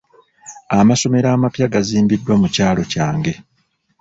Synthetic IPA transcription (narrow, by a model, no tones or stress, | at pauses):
amaso̞me̞ɾaːmapjaɡaziːmbidwamucaːlo̞caːŋɡe̞